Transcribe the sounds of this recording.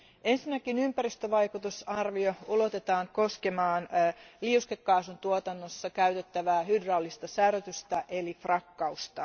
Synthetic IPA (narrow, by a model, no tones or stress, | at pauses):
ʔe̞nsinːækinympæɾist̪øʋɑjkut̪usɑrʋioolot̪et̪ɑːŋko̞skemɑːnliuskekːɑːsunt̪uot̪ɑnːosːɑkæyt̪e̞t̪ːæʋæːhydrɑlːist̪ɑsærøt̪yst̪æʔelifrɑkːɑust̪ɑ